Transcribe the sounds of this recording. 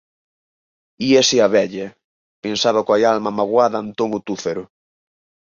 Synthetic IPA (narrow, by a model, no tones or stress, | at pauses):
iesɪaβɛʎɐ | pensaβakoajalmamaɣwaðɐnt̪oŋʊt̪ufeɾʊ